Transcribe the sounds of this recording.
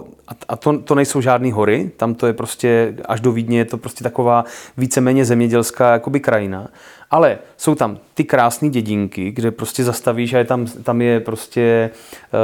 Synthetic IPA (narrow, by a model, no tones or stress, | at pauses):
aʔat̪ot̪onɛjso̞wʒaːdniːɦo̞ɾɪt̪amt̪ojɛpɾo̞scɛa̰ʒdo̞viːdɲɛjɛt̪o̞pɾoscɛt̪akovaːviːt͡sɛmɛːɲɛzɛmɲɛɟɛlskaːjakobɪkɾajɪnaʔalɛso̞wt̪amt̪ɪkɾaːsniːɟɛɟɪŋkɪɡdɛpɾo̞scɛzast̪aviːʃajɛt̪amt̪amjɛpɾo̞scɛ